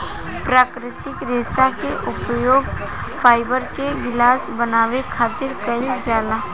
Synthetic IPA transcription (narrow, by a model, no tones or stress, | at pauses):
pɾaːkɾɪt̪ɪkɾeːsakeʔʊpjoːɡfʰaːɪbəɾkeɡɪlaːsbənaːwekʰaːt̪ɪɾkəid͡ʒaːlaː